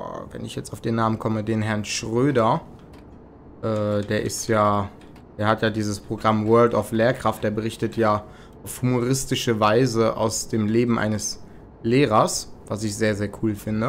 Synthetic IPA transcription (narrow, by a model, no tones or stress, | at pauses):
vɛ̰nɪçjɛt͡staʊfd̥eːnːaːmənkʰɔmədeːnɦɛɐnʃʁ̥øːdɐ | ʔɛːdeːɐʔɪstjaː | d̥eːɐhatjaːdiːzəspʁ̥oɡʁamwɜːɐltaʊfleːɐkʁ̥aftd̥eːɐbəʁɪçtətʰjaː | ʔaʊfhumoʁɪstɪʃəvaɪzəʔa̰ʊsd̥eːmleːbm̩ʔa̰ɪnəs | leːʁɐsv̥asɪçz̥eːɐzeːɐkʰuːlfɪndə